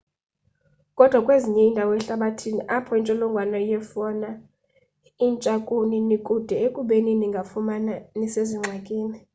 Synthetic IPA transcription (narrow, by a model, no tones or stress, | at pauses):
kʼɔd̥ʱwakʼweziɲɛindʱawɔɛɬaɓatʰiniʔapʰɔint͡ʃʼɔlɔŋɡʱwanɔijɛfɔna | int͡ʃʼakʼuninikʼud̥ʱɛekʼuɓeniniŋɡʱafumananiseziŋ͡ǀʱakʼiːni